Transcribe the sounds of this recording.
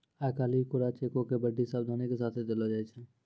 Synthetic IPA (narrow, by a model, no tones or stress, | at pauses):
aːkaːliːkʊɾat͡ʃeːkõkebəɖisaːbd̪ʱaːnikes̬aːt̪ʰed̪elad͡ʒait͡ʃʰɛː